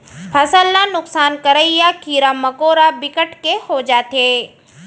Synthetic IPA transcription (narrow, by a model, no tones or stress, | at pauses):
pʰɐsəlːanʊksaːnkɐɾəijakiːɾamɐkoːɾabɪkəʈkehod͡ʒaːt̪eː